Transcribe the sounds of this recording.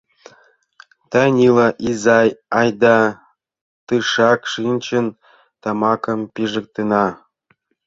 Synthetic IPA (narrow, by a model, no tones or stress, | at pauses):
t̪ɑnʲilɑʔizɑjɑjd̪ɑ | t̪ɯʂɑkʃinʲt͡ɕə̆n | t̪ɑmɑkɤ̆mpiʐɤ̆k̚t̪ɯnɑ